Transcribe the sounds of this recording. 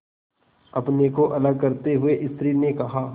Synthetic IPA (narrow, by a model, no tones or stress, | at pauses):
ɐpnekoʔɐləɡ̚kɐɾt̪eɦʊeʔɪst̪ɾinekɐɦaː